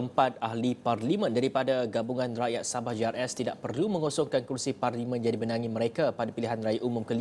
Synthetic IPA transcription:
əmpat̪̚ahliparlimə̃ndaɾipadaɡabuŋãnraʔjat̪̚sabahd͡ʒiarɛst̪idaʔpərlumə̃ŋosɔŋkankursiparlimə̃njadibənaŋiməɾekapadapiliɦanrajaʔumũmkəl

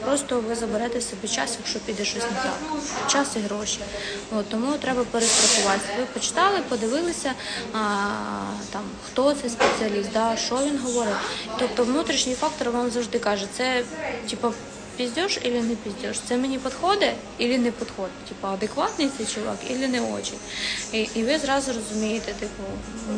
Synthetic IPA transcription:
pɾɔst̪ɔʋɪzɐbeɾɛt̪ɪwsʲɐbɛt͡ʃɑ̰sjɐkʃt͡ʃɔpʲid̪ɛʃɔsʲnɐzʲɑ̰t̪t͡ʃɑsiɦɾoʃʲiot̪ːɔmut̪ɾɛbɐpeɾest̪ɾɐsʊʋɑsʲʋɪpɔt͡ʃɪ̥t̪ɑlˠɪpɔd̪ɪʋɪlˠɪsʲɐ | t̪ɑmxt̪ɔt̪sɛspet͡sʲɪɐlʲist̪̚d̪ɑʃt͡ʃɔʋʲinɦɔʋɔɾɪwt̪ɔp̚t̪ɔʋnut̪ɾʲiʃnʲijfɑk̚t̪ɔɾʋɑmzɐwʒd̪ɪkɑʒɛt̪sɛtʲipɐ | pʲizʲdʲɔʒilʲinɛpʲizʲdʲɔʃt̪sɛmenʲipɔd̪xɔd̪ɛ | ilʲinɛpɔd̪xɔd̪ɛtʲipɐɐd̪ekʋɑt̪nɪjt̪ɛjt͡ʃɔlˠʋɑ̰kḭlʲɪnɛɔ̰t͡ʃijiʔːʋɪzɾɑzʊɾɔzʊmʲijet̪ɛt̪ɪpʊ

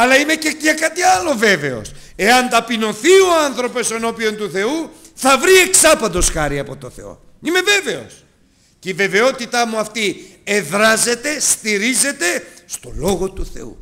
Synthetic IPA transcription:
ɐlɐime̞ceɲɐkɐt̪iɐlo̞ve̞ve̞o̞̰s | e̞ɐnt̪ɐpino̞θio̞anθɾo̞po̞seno̞pio̞nt̪uθe̞u | θɐvɾie̞ksɐpɐnd̪o̞sxɐɾiɐpo̞t̪oθe̞̰o̞̰ | ime̞ve̞ve̞o̞̰s | ceive̞ve̞o̞t̪it̪ɐmuɐft̪ieðɾɐze̞t̪e̞st̪iɾize̞t̪e̞st̪o̞lo̞ɣo̞t̪uθe̞̰ṵ

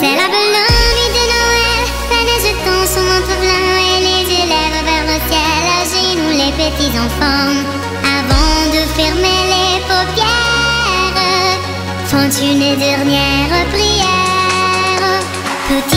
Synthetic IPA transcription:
sɛlabəlɔnid̪ənɔɛl | lanɛʒət̪ɔ̃sumɔ̃t̪χəblɛ̃elezelɛvəvɛʁləkɛlaʒenulepət̪izɑ̃fɑ̃ | avɑ̃d̪əfɛʁmelefopjɛ | ʁ | fɑ̃t̪ynəd̪ɛʁnjɛʁəpʁijɛ | ʁ | t̪ut̪

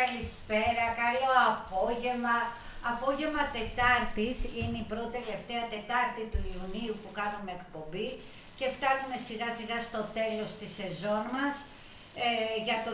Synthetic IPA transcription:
ɐlispe̞ɾɐkɐlo̞ɐpo̞ʝe̞mɐː | po̞ʝe̞mɐt̪e̞t̪ɐɾt̪isineipɾo̞t̪it̪ele̞ft̪e̞ɐt̪e̞t̪ɐɾt̪it̪uiuniupukɐnume̞ːkpo̞mbi | ce̞ft̪ɐnume̞siɣɐsiɣɐst̪o̞t̪e̞lo̞st̪ise̞zo̞nmɐs | ʝɐt̪o

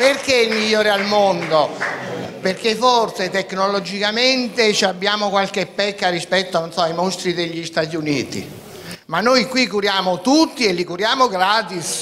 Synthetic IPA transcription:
perk̟eilmiʎːoːɾealmond̪o | perkeforset̪ekːnolɔd͡ʒikament̪et͡ʃabːjaːmokwalk̟epːɛkːaɾispɛt̪ːononsɔajmost̪ɾid̪eʎːist̪at̪̬iunḭːt̪ḭ | manːojkwikuɾjaːmot̪ut̪ːielːikuɾjaːmoɡɾaːt̪is

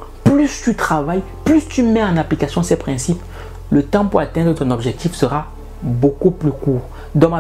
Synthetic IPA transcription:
plyst̪yt̪χavaj | plyst̪ymɛɑ̃naplikasjɔ̃sɛpχɛ̃sip | lət̪ɑ̃puʁat̪ɛ̃nd̪ʁət̪ɔ̃nɔbʒɛk̚t̪ifsəʁa | bokuplykuːʁ | d̪ɔ̃ma

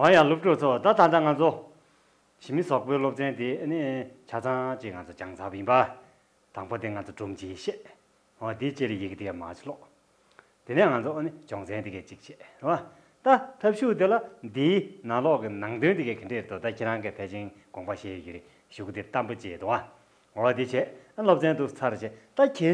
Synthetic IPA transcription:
ɔjalop̚ʈ͡ʂuʔt͡sʰot̪at̪and̪aŋant͡sʰo | ɕimisɔk̚pøːlop̚t͡ɕent̪iʔənit͡ɕʰat͡saŋt͡ɕiʔŋat͡sʰot͡ɕaŋt͡sʰaːpajinpa | t̪aŋpot̪iŋant͡sʰoʈ͡ʂumt͡ɕiːɕɛʔ | at̪it͡ɕelajikt̪iɛːma̰t͡ɕlɔʔ | t̪enɛːŋant͡sʰoʔənit͡ɕɔŋt͡sʰɛːnt̪ikɛːt͡ɕik̚t͡ɕʰɛːʔrewa | t̪at̪ʰəp̚ɕuːt̪elad̪iːnalɔʔkinaŋt̪ønt̪ikɛːkʰəɳɖ͡ʐeːret̪ut̪acʰeɹaŋkipʰɛːt͡ɕin | ɡɔŋpaɕeːjiḛʔ | ɕukit̪it̪ampot͡ɕit̪uwa | ŋoat̪it͡ɕʰɛʔʔənilop̚t͡ɕent̪ust͡sʰaɾet͡ɕʰɛːʔt̪akʰɛː

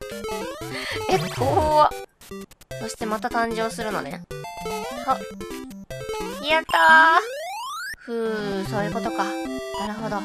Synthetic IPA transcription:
ekʰoːa | so̞ɕi̥t̪e̞mat̪at̪ãɲd͡ʑo̞ːsɨɾɯ̟no̞̰ne̞̰ | so | iat̪a | ɸɯ̟ːso̞ːjɯ̟ko̞t̪o̞kanaɾɯ̟ɦo̞d̪o̞

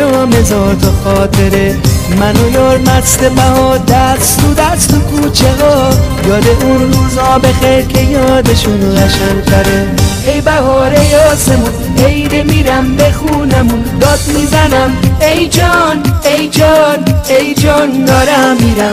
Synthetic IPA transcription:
ɔmezɒɾt̪ʰoxɔːt̪ʰe̞ɾemænojɔːɾmæsd̪ebæhɔːd̪æst̪ud̪æst̪ukʰut͡ʃʰeɣɔːjɒːd̪eʔunɾuːzɔbexeɾkʲʰejɒːd̪eʃunɣæʃæŋt̪ʰæɾe | ejbæhɒːɾejɒːsemun | ejɾemiɾæmbexunemund̪ɒːd̪̚mizænæmejd͡ʒɒnejd͡ʒɒnejd͡ʒɒnd̪ɒːɾæːiɾæm

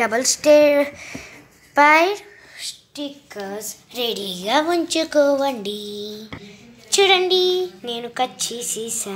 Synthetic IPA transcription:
ɖɐbɐlsʈeːɾ | pɐjɾ | sʈikːɐsɾeɽiɡaːʋuɲt͡ʃukɔːʋɐɳɖi | t͡ʃuɽɐɳɖine̞ːnukɐt͡ʃːisisaː

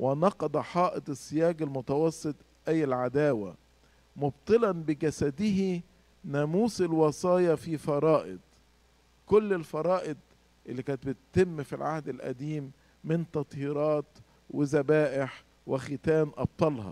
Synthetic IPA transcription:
wʔɪnɑqɑd̪ˤɑħɑːʔɪt̪ˤɪsːɪjæːɡɪlmʊt̪ɑwɑsˤːɨt̪ˤ | ʔæjːɪlʕad̪æːwæ̰ | mʊbt̪ˤɨlɑnbɪɡæsæd̪ɪɦi | næːmuːsɪlwɑsˤɑːjɑfifɑɾˤɑːʔɪ̰d̪̚ | kʊlːɪlfɑɾˤɑːʔɪd̪̚ | ʔɪlːiːkæːnt̪̚bɪt̪t̪ɪmːfilʕahd̪ɪlʔæ̰d̪iːmː | ɪnt̪ɑt̪ˤhiːɾˤɑːt̪ | wɪzæbæːʔɪħ | wɪxɪt̪æːnʔɑb̚t̪ˤɑlhɑ̰

